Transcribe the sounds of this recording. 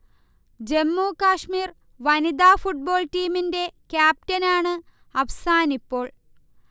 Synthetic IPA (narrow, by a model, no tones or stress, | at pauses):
d͡ʑe̞mːuːkaːʂmiːr | ʋɐnid̪aːfuʈ̚bo̞ːɭtiːminde̞kʲjaːp̚tɐnaːɳɨ | ɐʋɐsaːnipːo̞ːɭ